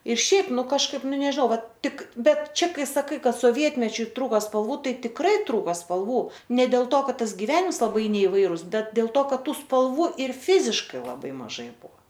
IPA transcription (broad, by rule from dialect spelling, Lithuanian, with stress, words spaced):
ɪr ˈʃʲɛɪp ˈnʊ kɐʃˈkɐɪp ˈnʊ nʲɛʒʲɪˈnɐʊ ˈʋɐt ˈtʲɪk ˈbʲɛt ˈt͡ʃʲɛ ˈkɐɪ sɐˈkɐɪ ˈkɐt soːˈʋʲiɛtʲmʲɛt͡ʃʲʊ ˈtruːkɐ spɐlˠˈʋuː ˈtɐɪ tʲɪkˈrɐɪ ˈtruːkoː spɐlˠˈʋuː nʲɛ dʲeːlˠ ˈtoː ˈkɐt ˈtɐs ɡʲɪˈʋʲæːnʲɪms lˠɐˈbɐɪ nʲɛɪˈʋɐɪrʊs ˈbʲɛt dʲeːlˠ ˈtoː ˈkɐt ˈtuː spɐlˠˈʋuː ɪr ˈfʲɪzʲɪʃkɐɪ lˠɐˈbɐɪ mɐˈʒɐɪ ˈbuɔ